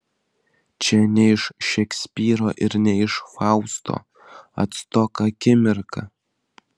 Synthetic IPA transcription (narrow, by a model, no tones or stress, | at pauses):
t͡ʃʰʲɛnʲɛɪʃʃɛkʲsʲpʲiːɾoːʔɪɾnʲɛɪʃfɑʊst̪ʰo̰ | ɐ̰t̪st̪ɔkɐkʲɪmʲɪɾkʰɐ